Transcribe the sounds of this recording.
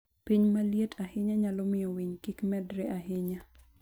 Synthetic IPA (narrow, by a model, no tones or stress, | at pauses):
piɲmaljetʰahɪɲaɲalɔmɪjɔwiɲkikmɛdɾɛʔahɪɲa